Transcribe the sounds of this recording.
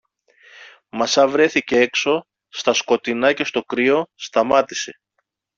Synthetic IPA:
mɐsɐvɾe̞θicee̞kso̞ | st̪ɐsko̞t̪inɐce̞st̪o̞kɾio̞st̪ɐmɐt̪i̥se̞

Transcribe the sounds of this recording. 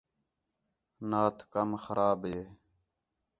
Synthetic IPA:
naːt̪ʰkəmxəɾʔaːbɦeː

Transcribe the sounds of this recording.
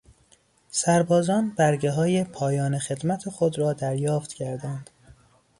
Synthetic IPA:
sæɾbɒːzɒːnbæɾɟeɦɒːjepʰɒːjɒːnexe̞d̪mæt̪ʰexod̪ɾɒːd̪æɾjɒːft̪cʰæɾd̪ænd̪̥

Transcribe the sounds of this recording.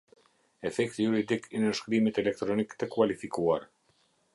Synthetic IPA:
ɛfɛkt̪ijuɾid̪ikinəʃkɾimit̪ɛlɛk̚t̪ɾɔnikt̪əkualifikuaɾ

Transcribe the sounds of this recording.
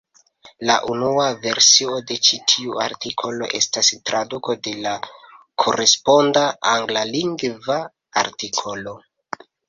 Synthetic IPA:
la̰ʔunuave̞ɾsio̞de̞t͡ʃitʰiua̰ɾtikʰo̞lo̞̰ʔe̞stastɾaduko̞de̞la | kʰo̞ɾe̞spo̞ndaaŋɡlaliŋɡva | a̰ɾtikʰo̞lo

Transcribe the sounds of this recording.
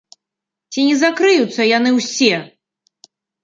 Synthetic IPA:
t͡sʲinʲɛzakɾɨjut̪sːɐjan̪ɨwsʲɛ

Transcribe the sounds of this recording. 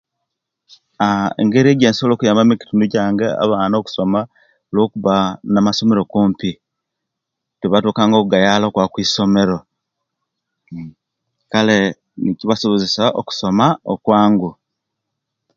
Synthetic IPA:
aḛŋɡe̞ɾieːɟeːnsolokujaːmbamiki̥tunuɟaːŋɡea̰βaːnoku̥so̞ma | olwo̞ːkuβanamaso̞me̞ɾo̞kuːmpi | teβatuːkaːŋɡokuɡajalokwakwiːso̞me̞ɾo̞ | kale | niciβasoβozisaʔo̰ku̥so̞maokwaːŋɡu

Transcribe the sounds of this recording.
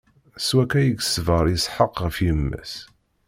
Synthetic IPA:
swækæjəɡsvəɾˤəsˤħəqʁəfjiəmːæ̰s

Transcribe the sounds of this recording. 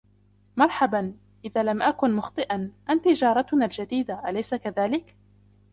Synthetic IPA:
mɑɾˤħaban | ʔɪðaːlamʔakʊnmʊxt̪ˤɨʔanʔant̪ɪd͡ʒɑːɾˤɑt̪ʊnaːld͡ʒad̪iːd̪aʔalajsakaðaːlɪk

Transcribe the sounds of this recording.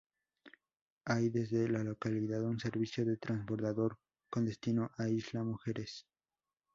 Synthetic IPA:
ajðe̞zðe̞lalo̞kaliðaðunse̞ɾβisjo̞ðe̞t̪ɾanzbo̞ɾðaðo̞ɾ | kond̪e̞st̪ino̞ʔaizlamuxe̞ɾes

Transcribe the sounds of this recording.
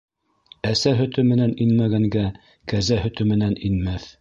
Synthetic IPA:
æsæɦɵ̆t̪ɵmɘ̆næninmæɡæŋɡæ | kæzæhɵ̆t̪ɵmɘ̆næninmæθ

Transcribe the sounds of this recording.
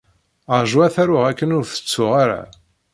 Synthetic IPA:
əʒwæθæɾʊʁækːənʊɾθə̥t͡sːʊʁaɾa̰

